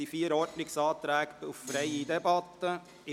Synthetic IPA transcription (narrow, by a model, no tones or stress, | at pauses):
iːfiːɾɔɾd̪nɪksɑːt̪ɾæːɡt̪ʊffɾæɪid̪ɛbɑt̪ːə | ɪ